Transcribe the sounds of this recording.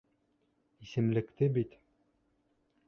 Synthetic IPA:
isɘ̆mlɘ̆kt̪ɘbit̪

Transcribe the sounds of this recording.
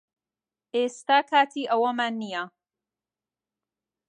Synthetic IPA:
ʔeːst̪aːkʰaːt̪ʰiːʔɐwɐmaːnːija

